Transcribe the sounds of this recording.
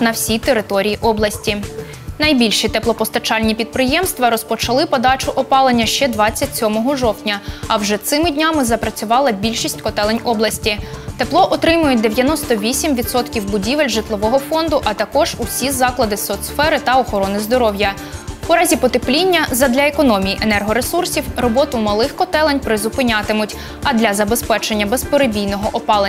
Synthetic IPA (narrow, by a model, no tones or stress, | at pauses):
nɐwsʲijt̪eɾɪt̪ɔɾʲijiʔɔblˠɐsʲtʲi | nɐjbʲilʲʃit̪ɛplˠɔpɔst̪ɐt͡ʃɑlʲnʲipʲid̪̚pɾɪjɛmst̪ʋɐɾɔspɔt͡ʃɐlˠɪpɔd̪ɑt͡ʃʊʔɔpɑlˠenʲːɐʃt͡ʃɛd̪ʋɑt͡sʲːɐt̚ʲsʲɔmɔɦɔʒɔwt̪ʲnʲɐɐwʒɛt̪sɪmɪdʲnʲɑmɪzɐpɾɐt͡sʲʊʋɑlˠɐbʲilʲʃisʲtʲkɔt̪ɛlˠenʲɔblˠɐsʲtʲit̪eplˠɔʔɔt̪ɾɪmʊjʊt̚ʲd̪eʋʲjɐnɔst̪ɔʋʲisʲimʋʲid̪sɔt̪kʲiwbʊdʲiʋelʲʒɪt̪lˠɔʋɔɦɔfɔnd̪ʊʔɐt̪ɐkɔʒ̥ʊsʲizɑklˠɐd̪ɪsɔt̪sfɛɾɪt̪ɐɔxɔɾɔnɪzd̪ɔɾɔwjɐ | ʊɾɑzʲipɔt̪eplʲinʲːɐzɐd̪lʲɐekɔnɔmʲijiʔenɛrɦɔɾesursʲiwrɔbɔt̪ʊmɐlˠɪxkɔt̪ɛlˠenʲpɾɪzʊpɪnʲɑt̪ɪmʊtʲ | ɐd̪lʲɐzɐbe̞spɛt͡ʃenʲːɐbespɔɾebʲijnɔɦɔʔɔpɑlˠe